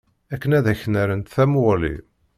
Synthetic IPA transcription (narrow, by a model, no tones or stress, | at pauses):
ækːənæðæçənæɾənt̪θæmwʊlḭ